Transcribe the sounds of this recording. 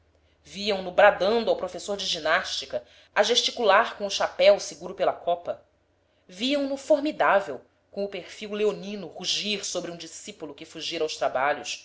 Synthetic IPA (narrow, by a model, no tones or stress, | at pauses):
viɐ̃w̃nʊbɾad̪ɐ̃nd̪ʊawpɾofesoɾd͡ʒɪʒinaʃt͡ʃikɐ | aʒeʃt͡ʃikulaɾkõʊʃapɛwsɪɡuɾʊpelɐkʰɔpɐ | viɐ̃w̃nʊfoɾmid̪avew | kõʊpeɾfiwleonĩnʊʁuʒiɾsobɾɪũd͡ʒisipulʊkɪfuʒiɾɐawʃt̪ɾabaʎʊs